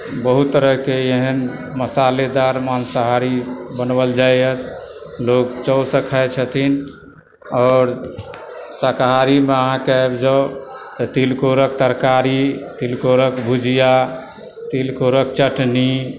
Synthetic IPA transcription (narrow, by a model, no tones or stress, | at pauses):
bəɦut̪t̪ːəɾəɦkeeɦənməsaled̪aɾmansəɦaɾibənbəld͡ʒajət̪lokt͡ʃɔʊsəkʰajt͡ʃʰət̪ʰin | ɔːɾ | səkɦaɾimeəɦãkeebd͡ʒaot̪ət̪ilkoɾəkt̪əɾkaɾit̪ilkoɾəkbʱud͡ʒija | t̪ilkoɾəkt͡ʃəʈni